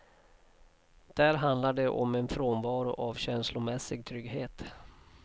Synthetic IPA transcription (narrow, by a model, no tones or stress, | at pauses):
d̪̥æɾɦand̪laɖɛʔɔmɛnfɾoːnvɑːɾʊʔavɕɛnslʊmɛsːɪɡ̚t̪ʰɾʏɡɦeːt̪